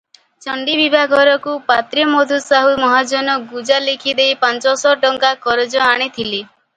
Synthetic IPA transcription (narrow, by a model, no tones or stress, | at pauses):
t͡ʃɔɳɖibibʱaɡʱɔɾɔkupat̪ɾiɔmod̪ʱusaɦumɔɦad͡ʒɔnɔɡud͡ʒalikʰid̪ejpant͡ʃɔsɔʈɔŋkakɔɾed͡ʒɔaɽ̃it̪ʰili